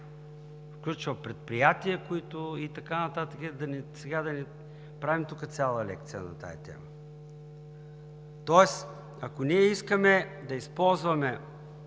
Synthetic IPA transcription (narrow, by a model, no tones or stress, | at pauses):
fklʲut͡ʃvɐpɾɛt̪̚pɾijat̪iəkoit̪ʊit̪ɐkanɐt̪at̪əkɛd̪ɐnisɛɡad̪ɐni | pɾavimt̪ukət̪sʲalˠəlɛ̰k̚t̪sijə̰nɐ̰t̪a̰it̪ɛ̰mə | t̪ɔɛs | ɐkoniɛiskəmɛd̪ɐispɔlˠzvɐmɛ